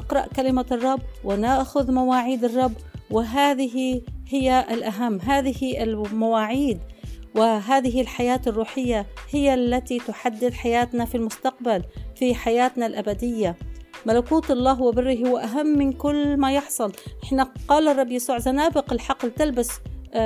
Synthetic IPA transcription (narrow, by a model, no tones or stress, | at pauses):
ɪqɾˤɑ̰ʔkalɪmarˤːɑbːwɪnaːxʊðmawaːʕiːd̪ɑrˤːɑbːwɪɦaːðɪɦihɪjːaʔɪlʔaɦamːɦaːðɪhɪɪlmawaːʕiːd̪wɪɦaːðɪɦɪlħajaːt̪ɪrˤːuːħɪjːahɪjːalːat̪it̪ʊħad̪ːɪd̪ħajaːt̪nafilmʊst̪aq̚balfiħajaːt̪nalʔabad̪ɪjːamalakuːt̪ɑlˤːɑːɦwɪbɪrːɪhhʊwaʔaɦamːɪnkʊlːmajɪħsˤʊlʔɪħnaqɑːlɑrˤːɑbːjasuːʕzanaːbɪqɪlħɑqlt̪albas